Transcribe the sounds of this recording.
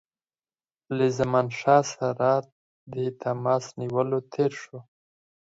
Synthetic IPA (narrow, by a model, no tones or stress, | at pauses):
ləzamɑnʃɑsaɾɑt̪̚ | d̪ət̪ʰamɑsniwəlot̪ʰeɾʃo